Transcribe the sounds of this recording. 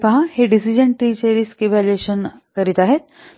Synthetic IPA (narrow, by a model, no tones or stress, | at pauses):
paɦãheɖisid͡ʑəɳʈʈːiːt͡ɕəɾiːskiʋalekɕənkəɾiːt̪aɦet̪̚